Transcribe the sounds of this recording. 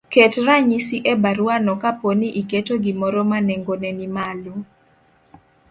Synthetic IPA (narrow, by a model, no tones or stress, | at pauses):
ketraɲisiʔɛbaɾuanɔkaponiʔiketoɡimɔɾɔmanɛŋɡonɛnimalo